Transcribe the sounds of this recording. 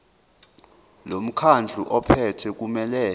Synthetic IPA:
lom̩kʰand͡ɮʱuʔɔpʰɛtʰɛk̬ʼumɛlɛː

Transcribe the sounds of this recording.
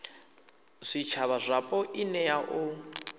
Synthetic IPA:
ʂʷit͡ʃʰaβazʷapʼɔʔinɛjaʔʊ

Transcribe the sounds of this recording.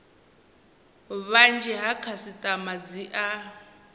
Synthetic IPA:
βand͡ʒɛɦakʰasitʼamad͡ziʔa

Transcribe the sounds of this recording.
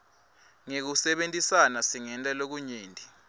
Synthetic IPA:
ŋek̬usɛɓentʼisanasiŋɛntʼalok̬uɲeːntʼi

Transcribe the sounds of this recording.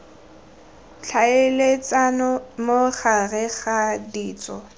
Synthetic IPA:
t͡ɬʰaelet͡sʼanɔmoχarɛɣadiːt͡sʼɔ

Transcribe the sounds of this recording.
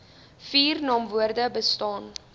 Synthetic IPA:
fiːrnɑːmvuərdəbəstɑːn

